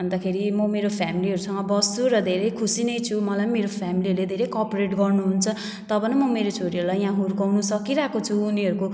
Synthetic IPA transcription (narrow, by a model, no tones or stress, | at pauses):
bʌnd̪akʰeɾimʌmeɾopʰjamiliɦʌɾusʌŋʌbʌst͡suɾʌd̪ʱeɾʌjkʰusinʌjt͡sʰumʌlanmeɾopʰjamiliʌɾled̪ʱeɾʌjkʌpɾeʈɡʌrnuɦunt͡sʰʌ | t̪ʌbʌnʌmʌmeɾot͡sʰoɽiʌɾulajɦãɦuɾkawnusʌkiɾakot͡sʰuːniʌɾuko